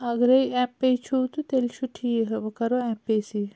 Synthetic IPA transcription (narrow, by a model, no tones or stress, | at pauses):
ɐɡɾɐjɛ̃pːejt͡ʃʰuːt̪ut̪elt͡ʃʰuʈʰiːɦɐbɐkɐɾoɛ̃ːpːesi